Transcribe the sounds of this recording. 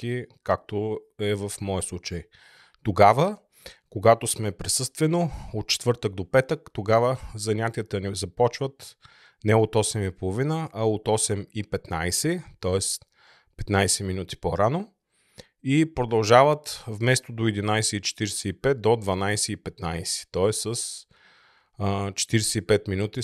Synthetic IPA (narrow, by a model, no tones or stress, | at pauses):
kikak̚t̪oɛvəfmɔəslˠut͡ʃəj | t̪oɡavə | koɡat̪osmɛpɾɛsɤst̪vɛnoot̪̚t͡ʃɛ̥t̪vɤɾt̪ək̚d̪opɛt̪əkt̪oɡavəzɐnʲat̪ijət̪ənizɐpɔt͡ʃvət̪ | nɛot̪ɔsɛmipolˠovinəʔɐot̪ɔsɛmipɛt̪najsɛt̪ɔɛs | pɛ̥t̪najsɛminut̪i̥poɾano | ipɾod̪ɐlˠʒavət̪vmɛst̪od̪oɛd̪inajsɛit͡ʃɛ̥t̪iɾɛsɛipɛt̪̚d̪od̪vɐnajsɛipɛt̪najsɛ̥t̪ɔɛsːəs | t͡ʃɛ̥t̪iɾɛsɛipɛt̪minut̪i